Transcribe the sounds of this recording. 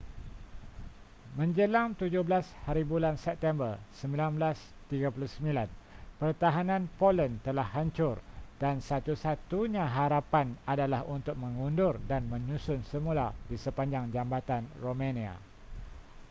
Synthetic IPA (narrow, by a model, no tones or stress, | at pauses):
mə̃ɲd͡ʒəlaŋt̪ud͡ʒʊhblashaɾibulansɛp̚t̪ɛmbərsəmbilanblast̪iɡapuluhsəmilanpərt̪aɦanãnpolənt̪əlahːaɲt͡ʃʊrd̥ansat̪usat̪uɲãɦaɾapanadalahunt̪ʊk̚mə̃ŋundʊrdanmə̃ɲũsʊnsəmũladisəpaɲd͡ʒaŋd͡ʒambat̪anromãnĩa̰